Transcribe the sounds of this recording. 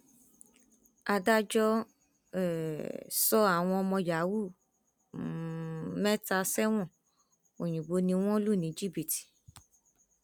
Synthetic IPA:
a˧da˦d͡ʒɔ˦ | ɛ˨sɔ˦a˦˨w̃ɔ̃˧ɔ˧mɔ̃˧ja˨˦wu˦˨ | mɛ˦ta˧sɛ˦w̃ɔ̃˦˨ | o˨j̃ĩ˨ɡ͡bo˨˧˦nĩ˧w̃ɔ̃˦lu˦˨nĩ˨˦d͡ʒi˦˨bi˦˨ti̥˨

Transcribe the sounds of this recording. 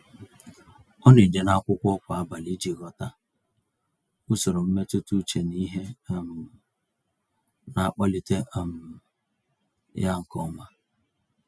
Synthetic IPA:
ɔ˦ne˨d͡ʒe˨na˦kʷʊ˦kʷɔ˦kʷa˨a˦ba˨li˦d͡ʒi˨ɣɔ˦ta˦ | ʊ˦so˨ɾo˨m̩˦me˦tu˦tu˦t͡ʃe˨ni˦ɦe˦m̩˨ | na˨˦k͡pɔ˦li˨te˦˨m̩˨ | ja˦ŋ̩˨kɔ˦ma˦

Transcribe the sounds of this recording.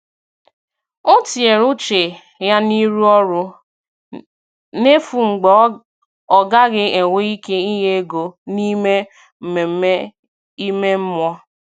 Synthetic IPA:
ʊ˦ti˨e˨ɾʊ˦t͡ʃe˨ | ja˦ni˦ɾu˦ɔ˦ɾʊ˦ | ne˦fu˨ŋ͡m̩˨ɡ͡bɔ˨ | ɔ˨ɡa˦ɣɪ˦e˨ŋʷe˦i˦ke˦i˦ɦe˦ɡo˨ni˦me˦ | m̩˨me˨˦ | i˦me˦m̩˦mʷɔ˦

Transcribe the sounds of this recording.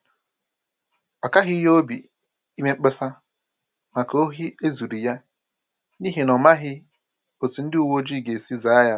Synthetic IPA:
ɔ˨ka˦ɦɪ˦jo˦o˦bi˨ | i˦me˦ŋ͡m̩˦k͡pɪ˦sa˦ | ma˨ko˦ɦi˦e˦zu˨ɾi˨ja˦ | ni˦ɦe˨nɔ˨ma˦ɦɪ˦ | o˨ti˨n̩˦dɪ˦u˦˨wo˦d͡ʒi˦˨ɡe˨si˦za˨˦a˦ja˦

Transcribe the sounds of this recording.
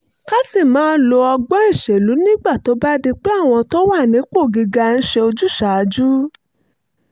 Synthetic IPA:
ka˦si˦˨mãː˨˦lo˧ɔ˧ɡ͡bɔ˦ĩ˦˨ʃe˨lu˨˦nĩ˦ɡ͡ba˦˨to˨˦ba˦di˧k͡pe˦a˦˨w̃ɔ̃˧to˦wa˦˨nĩ˨˦k͡po˦˨ɡi˧ɡa˧n̩˦ʃe˧o˧d͡ʒu˦ʃa˨˦d͡ʒu˦

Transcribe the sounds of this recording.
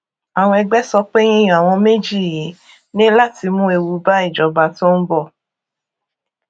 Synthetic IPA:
a˨w̃ɔ̃˧ɛ˧ɡ͡bɛ˦sɔ˧k͡pe˦j̃ĩ˦j̃a˨w̃ɔ̃˧me˦d͡ʒi˦˨ji˨˦ | nĩ˦la˦˨ti˧mũ˦e˧wu˧ba˦i˦˨d͡ʒɔ˨˦ba˨˦tɔ̃˦n̩˦bɔ˦˨

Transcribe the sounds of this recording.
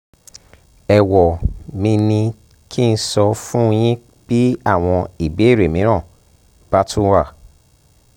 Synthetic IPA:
ɛ˨wɔ˨mĩ˧nĩ˧ | kʰi˦˨n̩˧˦sɔ˧fũ˦˧j̃ĩ˦ | b̥i˦a˦˨w̃ɔ̃˧i˨be˨˦˨ɾe˨mĩ˨˦ɾ̃ã˦˨ | b̥a˦tʰũ˦wa˦˨

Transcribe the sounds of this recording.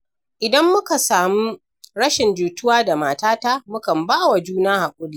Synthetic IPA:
ʔɪ˨dɐ˦mːʊ˦ka˨saː˨mu˦ | ɾɐ˦ʃɪ˨nd͡ʒuː˨tʊ˦waː˦da˨maː˨taː˦ta˦mʊ˦kɐ˨mbaː˦wa˨d͡ʒuː˦naː˦ha˨kʷʼʊ˦liː˦

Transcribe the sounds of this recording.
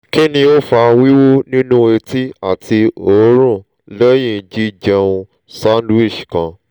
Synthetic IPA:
ki˦nĩ˧o˦fa˧wi˦wo˦nĩ˦nũ˦e˧ti˦a˦˨ti˧o˨˦ɾ̃ũ˦˨ | lɛ˦jĩ˦˧d͡ʒi˦d͡ʒɛ˧ũ˧ | sa˦n˦du˦i˦˨ʃi˨kã˧

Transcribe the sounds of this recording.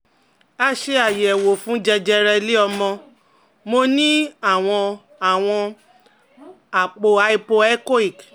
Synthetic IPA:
a˧ʃe˧a˨je˨ɛ˨wo˨fũ˨˦d͡ʒɛ˧d͡ʒɛ˧ɾɛ˧li˦ɔ˧mɔ̃˧ | mo˧nĩ˦a˦˨w̃ɔ̃˧ | a˨w̃ɔ̃˧ | a˨k͡po˨a˧i˧po˧ɛ˦ko˦i˨k

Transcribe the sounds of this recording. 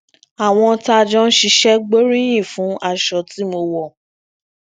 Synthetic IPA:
a˨w̃ɔ̃˧˦ta˧d͡ʒɔ̃˦n̩˦ʃi˧ʃɛ˦ɡ͡bo˦ɾĩ˦j̃ĩ˦˨fũ˨˦a˦˨ʃɔ˨ti˨˦mo˧wɔ˨

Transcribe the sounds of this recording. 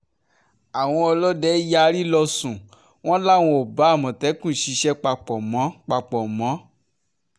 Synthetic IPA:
a˨w̃ɔ̃˧ɔ˧lɔ˦dɛ˨˦ja˧ɾi˦lɔ˧sũ˨ | w̃ɔ̃˦la˦˨w̃ɔ̃˧˨o˨ba˨˦a˦˨mɔ̃˨tɛ˨˦kũ˦˨ʃi˧ʃɛ˦k͡pa˧k͡pɔ˨mɔ̃˨˦k͡pa˧k͡pɔ˨mɔ̃˨˦

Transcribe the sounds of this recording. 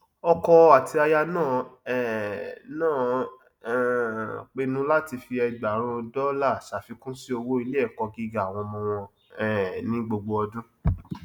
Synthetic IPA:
ɔ˧kɔ˧a˨ti˧a˧ja˧nãː˦˨ɛ˨nãː˦˨ | k͡pe˧nũ˦la˦ti˧fi˧ɛ˧ɡ͡ba˨ɾ̃ũ˧dɔ˦la˦˨ʃa˨fi˧˦kũ˦si˦o˧wo˦i˧le˦ɛ˦˨kɔ˧ɡi˦ɡa˨a˨w̃ɔ̃˧mɔ̃˧w̃ɔ̃˧ | ɛ˨nĩ˦ɡ͡bo˧ɡ͡bo˧ɔ˧dũ˦

